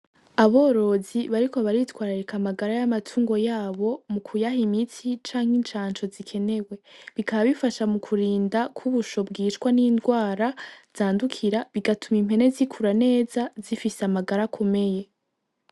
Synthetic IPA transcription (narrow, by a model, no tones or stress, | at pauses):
aβo̞ːɾo̞ːziβaɾiko̞βaɾitwaːɾaɾekamaɡaɾajamatʰuːŋɡo̞jaːβo̞mukʰujaɦimit͡sit͡ʃaːŋ̥int͡ʃaːnt͡ʃo̞zikʰe̞ne̞we̞βikaβaβifaʃamukʰuɾiːndakʰuβuʃo̞bɡiːt͡ʃkwanindɡwaːɾaz̥aːndukʰiɾaβiɡatumim̥he̞ne̞zikʰuɾane̞ːzazifiseamaɡaɾakʰo̞me̞je̞